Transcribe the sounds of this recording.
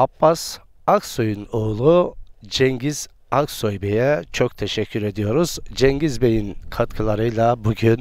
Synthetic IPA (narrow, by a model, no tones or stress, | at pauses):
apːas | aksojunoːlˠud͡ʒɛŋɟiz̥ | aksojbejɛt͡ʃʰo̞k̚t̪ʰeʃɛcʰːyɾe̞d̪ijo̞ɾuz̥d͡ʒɛɲɟizbe̞jinkʰat̪kʰɯlˠaɾɯjlˠabuɟyn